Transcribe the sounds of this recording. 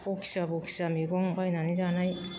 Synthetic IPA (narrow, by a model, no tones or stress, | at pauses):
boki̥ɕiβabokɯ̥ɕiβamʲiɡõŋbainaɲid͡ʑanai